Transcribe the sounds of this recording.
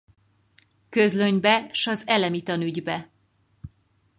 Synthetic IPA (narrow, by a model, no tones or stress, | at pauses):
køzløɲbɛʃɒzɛlɛmit̪ɒnyɟbɛ